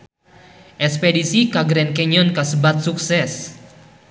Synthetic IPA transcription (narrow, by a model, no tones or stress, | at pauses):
ʔɛspɛdisikaɡɾɛnkɛɲɔnkasəbat̪̚suksɛs